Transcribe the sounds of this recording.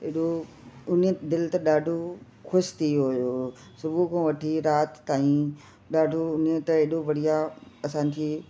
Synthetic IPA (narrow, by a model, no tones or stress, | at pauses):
eːɗo | ʊnd̪ɪlt̪ɐɗaːɖʱo | xʊʃt̪ʰiɦojo | sʊbʱukʰõːʋɐʈʰiɾaːt̪ːaːĩ | ɗaːɖʱoʊnet̪ɐeːɗoʋɐɽ̤ijaɐsãːnd͡ʑʰi